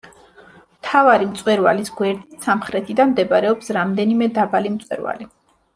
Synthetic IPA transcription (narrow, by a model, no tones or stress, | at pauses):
mt̪ʰavaɾimt̪sʼwɛɾva̰lisɡwɛɾd̪isamχɾɛt̪ʰid̪anmd̪ɛbaɾɛɔpsɾamd̪ɛnimɛd̪abalimt̪sʼwɛ̰ɾva̰li